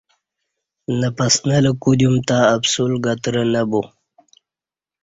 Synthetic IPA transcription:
napasnaləkud̪jumt̪aːbsulɡat̪ɾənabu

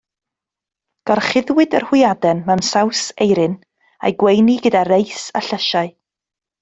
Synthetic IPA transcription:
d̥ɔrχɪðwɨdərhʊɪjadɛnmamsawsejɾɨn | a̰jɡwejniɡədaɾejsa̰ɬəʃaɨ

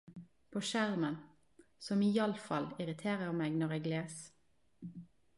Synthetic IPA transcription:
pʰoːʃæʁmən | sɔmiːɑləfɑlɪʁɪt̪ʰeːʁəʁmeːɡnɔʁeːɡleːs

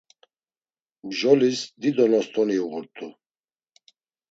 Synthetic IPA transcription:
bʒɔlisd̪id̪ɔnɔst̪ʼɔniuɣuɾt̪ʰʼu

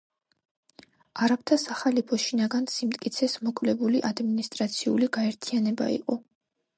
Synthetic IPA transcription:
aɾapʰt̪ʰasaχalipʰɔʃinaɡansimt̪ʼkʼit̪sʰɛsmɔkʼvlɛbuliʔad̪minist̪ʼɾat̪sʰiṵliɡaɛɾt̪ʰianɛba̰ḭqʼɔ

